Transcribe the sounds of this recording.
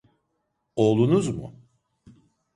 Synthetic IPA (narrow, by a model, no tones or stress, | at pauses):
olˠunuzmʊ̰